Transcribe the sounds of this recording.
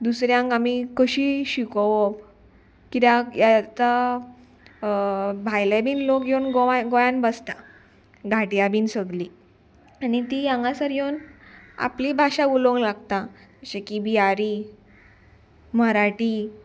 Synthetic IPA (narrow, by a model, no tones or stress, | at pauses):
d̪usɾjãŋkamikəɕiːɕikɔʋɔp | kit̪jajat̪a | bʱajlabiːnlokjewnɡoaɡojãnbəst̪a | ɡʱaʈjabiːnsəɡli | anit̪ijãŋɡãsəɾjewna̰plibʱaɕauloŋɡlaɡ̚t̪ãəɕekibiaɾi | məɾaʈi